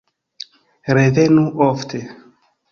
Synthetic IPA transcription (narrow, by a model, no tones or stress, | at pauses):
ɾevenuʔoftʰe